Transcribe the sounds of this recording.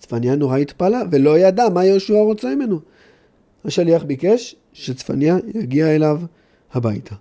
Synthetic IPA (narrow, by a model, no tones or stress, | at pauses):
t͡sfanjano̞ʁait̪palave̞lo̞jadamajeʃuaʁot͡semime̞nu | haʃaliaχbike̞ʃ | ʃet͡sfanjajaɡiaelav | habajtʰa